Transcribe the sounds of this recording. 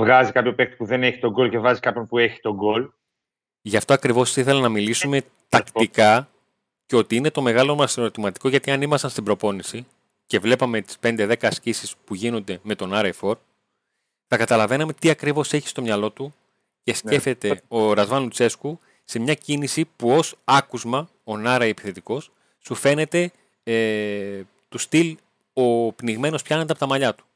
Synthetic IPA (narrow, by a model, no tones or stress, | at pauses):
vɣɐzikɐpçopek̚t̪i̥puðe̞neçi̥t̪o̞ɡo̞lcevɣɐzikɐpçonpueçi̥t̪o̞ɡo̞l | ʝɐft̪o̞ɐkɾivo̞siθelɐnɐmilisume̞ | t̪ɐkt̪ikɐ | ceo̞t̪iine̞t̪o̞me̞ɣɐlo̞mɐsnot̪imɐt̪i̥ko̞ʝɐt̪iɐnimɐsɐnst̪ibɾo̞po̞nisi | ce̞vle̞pɐme̞t̪i̥spe̞nd̪e̞ðe̞kɐːscisispuʝino̞nd̪e̞me̞t̪o̞nɐɾejfo̞ɾ | θɐkɐt̪ɐlɐve̞nɐme̞t̪iɐkɾivo̞se̞çi̥st̪o̞mɲɐlo̞t̪u | ce̞se̞fe̞t̪e̞o̞ɾɐzvɐnlut͡se̞sku | se̞mɲɐcinisipuo̞sɐkuzmɐ | o̞nɐɾɐiepi̥θe̞t̪iko̞sː | ufe̞ne̞t̪e̞ | e | t̪ust̪il | o̞pniɣme̞nospçɐned̪eɐpot̪ɐmɐʎɐt̪u̥